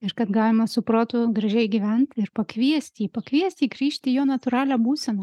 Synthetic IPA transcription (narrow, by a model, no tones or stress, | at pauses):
ɪɾkɐt̪ɡɑːlʲɪmɐsʊpɾoːt̪ʊɡɾɐʒʲɛɪɡʲiʋʲɛnt̪ɪɾpɐkʋʲiɛsʲt̪ʲiːpɐkʋʲiɛsʲt̪ʲiːɡɾʲiːʃʲt̪ʲɪjoːnɐt̪ʊɾɑːlʲæːbuːsʲɛnoː